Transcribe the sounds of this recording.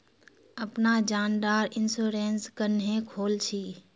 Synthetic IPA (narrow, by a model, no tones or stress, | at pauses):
əpnad͡ʒaːnd̪aːɾɪnsuːɾeːnskənɦẽːkʰoːlt͡ʃʰiː